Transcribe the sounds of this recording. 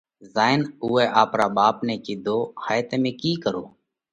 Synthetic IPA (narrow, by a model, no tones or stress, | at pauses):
zaːɪnʊuːɛːʔaːpɾaːɓaːpnɛːkiːd̪ʱoːhaːjt̪eːmẽːkiːkəɾo̰ː